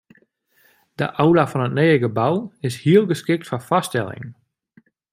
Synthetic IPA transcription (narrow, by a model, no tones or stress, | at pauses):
d̥ə̰ʔawlafɔnətneːəɡəbawɪshiəlˠɡəskɪk̚tfafɔstɛlˠɪ̰ŋ